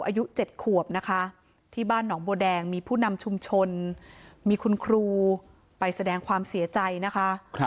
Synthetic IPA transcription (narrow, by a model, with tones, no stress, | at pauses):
wʔaː˧ju˦˥t͡ɕe˨˩t̪̚kʰu˨˩əp̚na˦˥kʰa˦˥ʔ | t̪ʰiː˥˩baː˥˩nːɔː˩˦ŋboː˧dɛː˧ŋmiː˧pʰuː˥˩na˧mt͡ɕʰu˧mt͡ɕʰo˧n | miː˧kʰu˧nkʰɾuː˧ | pa˧jsa˧dɛː˧ŋkʰwaː˧msi˩˦ɐt͡ɕa˧jna˦˥kʰa˦˥ʔ